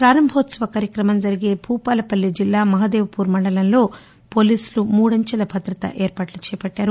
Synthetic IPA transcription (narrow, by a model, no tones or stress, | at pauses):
pɾaːɾɐmbʱoːt̪sɐʋɐkaːɾjɐkɾɐmɐmd͡ʒɐɾiɡeːbʱuːpaːlɐpɐlːid͡ʒilːaːmɐɦɐd̪eːʋɐpuːɾmɐɳɖɐlɐnlo̞ː | po̞ːliːsulumuːɽɐɲt͡ʃɐlɐbʱɐd̪ɾɐt̪ɐ̰ʔeːɾpaːʈlut͡ʃɛːjɐpɐʈːaːɾu